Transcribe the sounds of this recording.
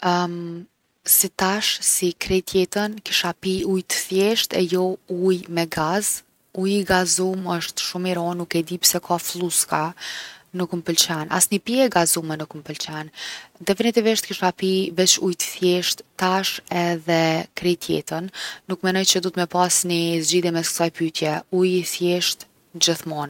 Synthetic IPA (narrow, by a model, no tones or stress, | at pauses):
sit̪aʃsikɾɛt̪jɛt̪ənkiʃapiujt̪ə̥θjɛʃt̪ɛ̰jɔujmɛɡaz | ujiɡazuməʃt̪ʃumiɾɔnukɛd̪ipsɛkʰafluska | nəkumpəlt͡ʃɛna̰snipiɛɡazumɛnəkumpəlt͡ʃɛnd̪ɛfinit̪iviʃt̪kiʃapivɛt͡ɕujt̪ə̥θjɛʃt̪ːaʃɛðɛkɾit̪ʰjɛ̰t̪ənːukmɛnɔjt͡ɕəd̪ɔt̪mɛpasnizd͡ʑiðjɛmɛskə̥sajpyt̪jɛujiθjɛʃt̪ | d͡ʑəθmɔn